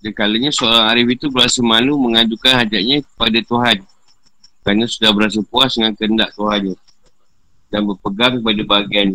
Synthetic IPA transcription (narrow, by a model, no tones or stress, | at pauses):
dankaləɲasəoɾaŋaɾɪfit̪ubəɾasəmãnuməŋadukanhad͡ʒaʔ̚ɲãkə̥padat̪uɦan | kɾanasudahbəɾas̬əpuasdəŋankəəndaʔt̪uɦanɲa | danbərpəɡaŋkəpadabaɡian